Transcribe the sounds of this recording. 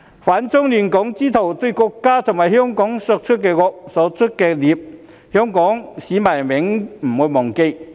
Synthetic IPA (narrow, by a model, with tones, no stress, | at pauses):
faː˨˥nt͡sʊ˥ŋliː˨nkɔ˨˥ŋt͡siː˥t̪ʰo˨wt̪ɵ˧ɥkɔː˧kːaː˥t̪ʰʊ˨˩ŋmaː˨˩jhœː˥ŋkɔː˨˥ŋsɔː˧k̚t͡ʃʰɵ˥t̚kɛː˧kɔː˧k̚sɔː˨˥t͡ʃʰɵ˥t̚kɛː˧liː˨˧p̚ | hœː˥ŋkɔː˨˥ŋsiː˨˥maː˨˩jmɪ˨˥ŋm̩˨˩muː˨˧jmɔː˨˩ŋke˧j